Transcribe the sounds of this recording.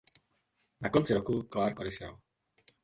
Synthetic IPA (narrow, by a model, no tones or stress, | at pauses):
nakont͡sɪɾokuklaːɾkʔodɛʃɛ̰l